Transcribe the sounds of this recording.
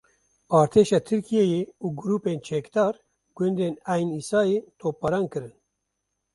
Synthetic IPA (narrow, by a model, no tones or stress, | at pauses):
ɑːɾt̪ʰeːʃɑːt̪ʰɨɾkʰijejeuːɡʊɾuːpeːnt͡ʃʰɛkd̪ɑːɾ | ɡ̥ʷʊnd̪eːnæːjniːsɑːjeːt̪ʰoːpːɐɾɑːnkɨɾɨn